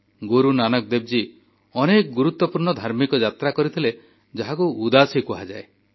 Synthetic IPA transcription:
ɡoɾunanɔk̚d̪eb̚d͡ʒi | ɔnekɔɡuɾut̪wɔpuɾɳɔd̪ʱaɾmikɔd͡ʒat̪ɾakɔɾit̪ʰile | d͡ʒɔɦakuud̪asikuɦad͡ʒae

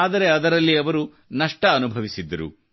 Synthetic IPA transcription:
aːd̪ɐɾe̞ɐd̪ɐɾɐlːiɐʋɐɾu | nɐʂʈɐːnubʱɐʋisid̪ːɐɾṵ

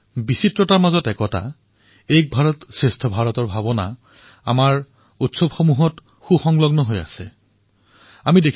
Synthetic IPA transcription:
bisitɹɔtaɹmazɔtɛkɔta̰ | ejk̚bʱaɹɔtsɹestʰɔbʱaɹɔtɔɹbʱabɔna̰ | a̰maɹ | utsɔbxomuɦɔt | xuxɔŋlɔɡnɔɦoja̰sɛ̰ | amidekʰ

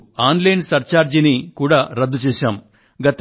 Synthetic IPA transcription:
aːnlɐjnsɐɾt͡ʃaːɾd͡ʒinikuːɽaːɾɐd̪ːut͡ʃɛːʃaːm | ɡɐt̪

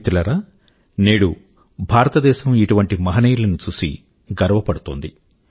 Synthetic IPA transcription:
t̪ulɐɾaː | neːɽu | bʱaːɾɐt̪ɐd̪ɛːʃɐmiʈuʋɐɳʈimɐɦɐnɐjlɐnut͡ʃusḭ | ɡɐɾɐʋɐpɐɽut̪o̰ːnd̪i

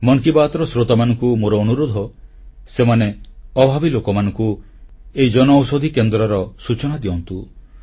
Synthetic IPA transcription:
mɔŋkibat̪ɔɾɔsɾot̪amanɔŋkumoɾɔːnuɾod̪ʱɔ | semaneɔbʱabilokɔmanɔŋku | eid͡ʒɔnɔːwsod̪ʱikend̪ɾɔɾɔsut͡ʃɔñad̪iɔnt̪u

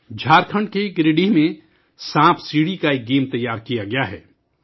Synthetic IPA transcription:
d͡ʒʱaːɾkʰə̃ɳɖkeɡɾɪɖimẽ | sãːpʰsiːɽikaeːk̚ɡeːmt̪ɐjaːɾkijaɡɐjaɦɛ̰ː

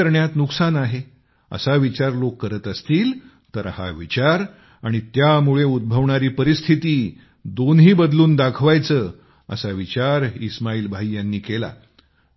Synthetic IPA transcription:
əɾɳjat̪nuksanaɦe | ə̰saʋit͡ɕaɾlokːəɾət̪əst̪iːl | t̪əɾha̰ʋit͡ɕaɾ | aɽ̃it̪jamuɭeud̪̚bʱəʋɳaɾiːpəɾist̪ʰit̪iː | d̪onɦiːbəd̪luːnd̪akʰʋajt͡səː | ə̰saʋit͡ɕaɾismaiːlbʱaijanːiːkela̰

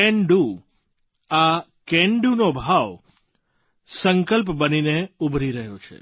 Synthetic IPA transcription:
ɛ̃ɳɖu | a | kɛ̃ɳɖunobʱaʋ | səŋkəlp̬bənineubʱɾiɾəɦjot͡ʃʰḛ

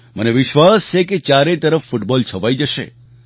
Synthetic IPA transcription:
məneʋɪʃʋast͡ʃʰeket͡ʃjaɾet̪əɾəfːuʈbɔlt͡ʃʰəʋajd͡ʒəʃḛ

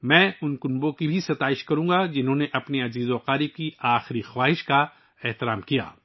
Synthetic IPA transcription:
mɛ̃ːʊnkʊnbõkibʱisɐt̪aːɪʃkɐɾũːɡad͡ʒɪnɦõːneʔɐpniɐziːzoqaːɾikiaːxɪɾixwaːɦɪʃka | ɛɦt̪ɪɾaːmkija̰ː

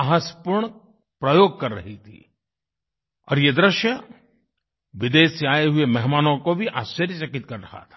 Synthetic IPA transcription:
aɦəspʊɾɳ | pɾɐjoːɡ̚kɐɾːɐ̰ɦit̪ʰḭ | ɔ̰ːɾjed̪ɾɪʃjə | ʋɪd̪eːseaːeɦʊemɛɦmaːnõkobʱiʔa̰ːst͡ʃɐɾjəsɐkɪt̪kɐɾːɐɦa̰t̪ʰḁː

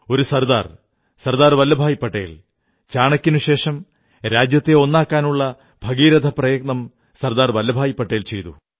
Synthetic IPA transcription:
o̞ɾusɐɾd̪a̰ːr | sɐrd̪aːrʋɐlːɐbʱaːjipːɐʈːḛjil | t͡ɕaːɳɐkʲːinuɕe̞ːʂɐm | ɾaːd͡ʑjɐt̪ːeo̞nːaːkːaːnuɭːɐ | bʱɐɡiːɾɐd̪ʱɐprɐjɐɡ̚nɐm | sɐɾd̪aːrʋɐlːɐbʱaːjipːɐʈːejilt͡ɕe̞jt̪ṵ

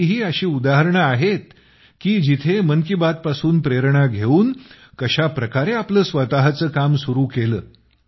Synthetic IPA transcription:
ɦiːəɕiːud̪aɦəɾɳəaɦet̪̚ | kiːd͡ʑit̪ʰemənkibad̪̚pasuːnpɾeɾɳaɡʱeuːn | kəɕapɾəkaɾeapləːsʋət̪aɦat͡səːkamsuɾuːkeləː

